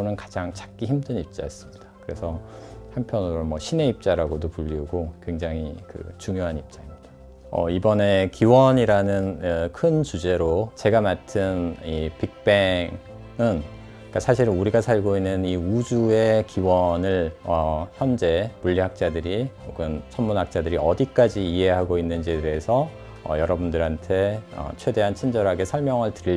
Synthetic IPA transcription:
onɯnkḁd͡ʑaŋt͡ɕḁk̚k͈içimdɯnip̚t͡ɕ͈ajʌs͈ɯ̥mɲid̥ḁkɯɾe̞sʰʌhanpʰjʌnɯɾomwʌɕʰine̞ip̚t͡ɕ͈aɾaɡodopuʎːiuɡokwe̞ŋd͡ʑaŋikɯ̰t͡ɕuŋjoɦanip̚t͡ɕ͈aimɲid̥ḁ | ʌ̰ibʌne̞kiwʌɲiɾanɯnɯkʰɯnt͡ɕud͡ʑe̞ɾot͡ɕe̞ɡamatʰɯnipik̚p͈e̞ŋ | ɯn | ik͈asʰaɕ̬ʰiɾɯnuɾiɡasʰaɭɡoinːɯniud͡ʑue̞kiwʌnɯɭʌçjʌmd͡ʑe̞muʎːiɦak̚t͡ɕ͈adɯɾioɡɯnt͡ɕʰʌnmunɦak̚t͡ɕ͈adɯɾiʌdik͈ad͡ʑiːɦe̞ɦaɡoinːɯnd͡ʑiedeesʰʌ | ʌ̰jʌɾʌbundɯɾɦantʰe̞ʌ̰t͡ɕʰwe̞de̞ɦant͡ɕʰind͡ʑʌɾɦaɡe̞sʰʌɭmjʌŋɯɭtɯɾi

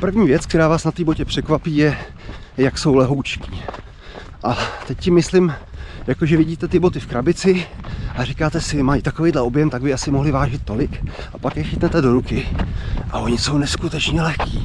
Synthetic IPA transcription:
pr̩vɲiːvjɛt͡sk̚t̪ɛɾaːvaːsnat̪iːbo̞cɛpr̝̥ɛkvapiːjɛ | jakso̞wlɛɦowt͡ʃkiː | ʔat̪ɛcsɪmɪslɪmjakoʒɛvɪɟiːt̪ɛt̪ɪbo̞t̪ɪfkɾabɪt͡sɪʔarikaːt̪ɛsɪmajit̪akovejdlɛobjɛmt̪aɡ̚bɪasɪmo̞ɦlɪvaːʒɪt̪̚tːo̞lɪk | ʔapakjɛxɪt̪nɛt̪ɛdo̞ɾukɪʔa̰ʔo̞ɲɪso̞wnɛskut̪ɛt͡ʃɲɛlɛxkiː

